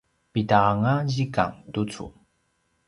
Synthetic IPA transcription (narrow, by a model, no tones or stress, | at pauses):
pitaŋaʑika̰ŋtut͡sṵ